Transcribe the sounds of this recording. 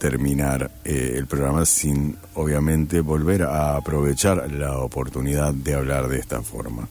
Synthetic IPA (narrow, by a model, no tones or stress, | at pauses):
t̪eɾminaɾeḛlpɾoɣɾamasin | oβ̞jamẽ̞nt̪eβo̞lβeɾaːpɾo̞β̞et͡ʃaɾlaopo̞ɾt̪uniðaðːeaβlaɾðeest̪a̰fo̞̰ɾma̰